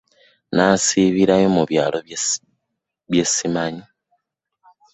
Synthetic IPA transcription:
nasiβiɾajo̞muβjaːlo | βje̞simaɲi

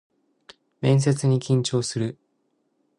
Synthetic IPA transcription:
mẽ̞ɰ̃s̬e̞t͡sɨɲ̟ikʲĩɲ̟t͡ɕo̞ːsɨɾɯ̟

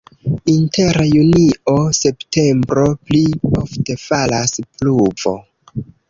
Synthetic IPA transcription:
inte̞ɾajuniʔo̞se̞pte̞mbɾo̞pliofte̞falaspluvo̞̰

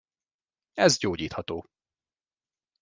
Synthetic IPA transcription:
ɛzɟoːɟiːt̪hɒt̪oː

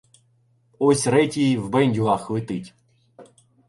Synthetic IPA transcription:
ɔsʲɾɛtʲijiwbɛnʲdʲʊɦɑxʋɪt̪ɪtʲ

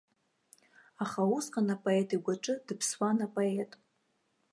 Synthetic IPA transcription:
aχausqʼanapʼoe̞tʼiɡʷaʈ͡ʂʼɨdɨpʰswanapʼoetʼ

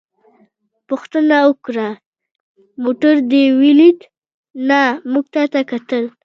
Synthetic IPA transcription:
pʊxt̪ənaʊkɾa | moʈaɾd̪ewilit̪ | namuɡ̚t̪at̪akat̪əl

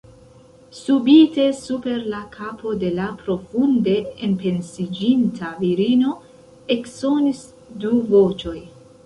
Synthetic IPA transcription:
subite̞supe̞ɾlakʰapʰo̞de̞lapɾo̞funde̞ːnpe̞nsid͡ʒintaviɾino̞ | e̞kso̞nis | duvo̞t͡ʃo̞j

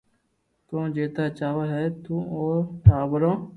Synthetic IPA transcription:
kõːd͡ʒeːt̪aːt͡ʃaːʋaːɦɛːt̪ũːoːʈʰaːbəɾõː

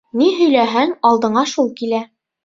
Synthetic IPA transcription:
niɦɵ̆jlæɦæŋɑlˠd̪ɤ̆ɴɑʃulˠkilæ

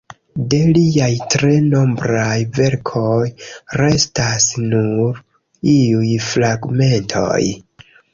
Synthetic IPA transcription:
de̞liajtɾe̞no̞mbɾajve̞ɾkʰo̞jɾe̞stasnuɾ | iujfɾaɡme̞ntʰo̞̰j

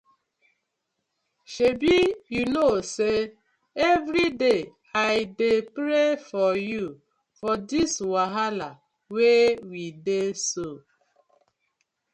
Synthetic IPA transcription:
ʃebijunose | evɾide | aɪdepɾefɔju | fɔdiswaɦala | wewideso

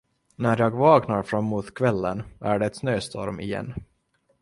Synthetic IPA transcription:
næɾjɑːɡvɑːknaɾfɾamːuːt̪kʰvɛlːənæɖɛːt̪snøːst̪ʰɔ̰ɾmɪ̰jɛ̰nː

